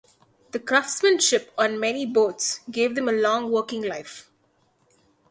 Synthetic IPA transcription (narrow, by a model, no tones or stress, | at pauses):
d̪̥əkɾaftsmə̃nʃɪpɔ̃ːnmɛniboːtsɡeːʋd̪ɛ̃məlɔ̃ːŋʋəːkɪ̃ŋlaɪf